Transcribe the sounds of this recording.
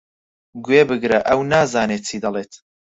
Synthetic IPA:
ɡweːbɨɡɾɐʔɐwnaːzaːneːt̪̚t͡sʰid̪ɐleːt̪

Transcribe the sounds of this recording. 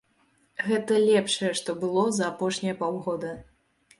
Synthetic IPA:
ɣɛt̪ɐlʲɛpʂɐjɛʂt̪ɔbɨlˠɔzɐːpɔʂnʲɐjɐpawɣɔd̪ɐ

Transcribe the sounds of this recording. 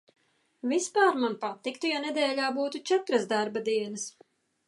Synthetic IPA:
vispaːɾmanpat̪ik̚t̪ujanɛd̪ɛːlʲaːbuːt̪ut͡ʃɛt̪ɾasd̪aɾbad̪iɛnɐs

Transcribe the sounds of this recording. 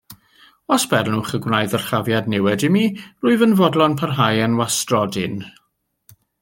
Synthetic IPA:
ɔsb̥ɛrnuχəɡwnajðərχavjadnɛwɛdɪmirʊːɨvənvɔdlˠɔnpʰarɦajənwastrɔdɪn

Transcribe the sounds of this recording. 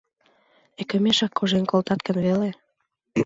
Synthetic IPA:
ekø̆meʃɑkːoʒenkolt̪ɑt̪kənβele

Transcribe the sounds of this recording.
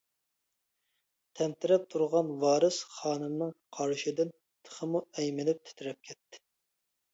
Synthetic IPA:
t̪ʰɛnt̪ʰɪɾɛp̚t̪ʰuɾʁɑnwɑːɾɨsχɑːnɨmnɨŋqʰɑɾʃid̪ɪn | t̪ʰə̥χəmuɛjmɪnɪp̚t̪ʰy̥t̪ʰyɾɛp̚kʲʰɛt̪ʰːɪ̥

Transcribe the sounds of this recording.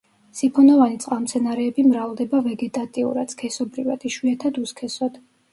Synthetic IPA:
sipʰɔnɔvanit̪sʼqʼamt̪sʰɛnaɾɛːbimɾavd̪ɛbavɛɡɛt̪ʼat̪ʼiṵɾad̪̥kʰɛsɔbɾivad̪̥iʃwiɛt̪ʰad̪uskʰɛsɔd̪̥

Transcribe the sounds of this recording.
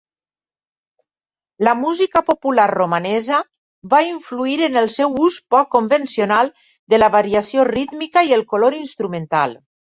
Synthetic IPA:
ləmuzikəpopulaɾromanɛzə | βaiɱfluiɾənəlˠsɛwuspɔkːombensionalˠ | d̪ələβaɾiasiorit̪mikaiəlˠkoloɾinst̪ɾumẽnt̪a̰lˠ

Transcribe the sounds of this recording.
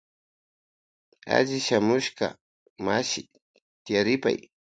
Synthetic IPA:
a̰ʎɪʃamʊʃka̰ | maʃɪ | t̪ɪjaɾɪpa̰j

